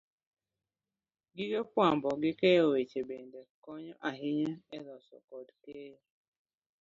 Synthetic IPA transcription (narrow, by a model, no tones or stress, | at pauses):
ɡiɡepwambɔɡɪkeowet͡ʃebendekɔɲɔʔaɦɪɲaɛlɔsɔ̰kɔdke